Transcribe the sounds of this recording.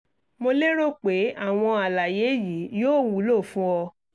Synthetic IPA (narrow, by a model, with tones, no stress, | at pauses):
mo˧le˦ɾo˦k͡pe˨˦a˦˨w̃ɔ̃˧a˨la˨je˨˦ji˨˦joː˦˨wu˨˦lo˦˨fũ˦ɔ˧